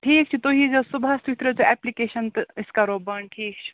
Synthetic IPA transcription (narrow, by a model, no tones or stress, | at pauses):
ʈʰiːk̚t͡ʃʰit̪oɦid͡zɐsubʱast̪ut̪ɾet͡soɛplikeʃənt̪iskaɾoːbəɳʈʰiːk̚t͡ʃʰi̥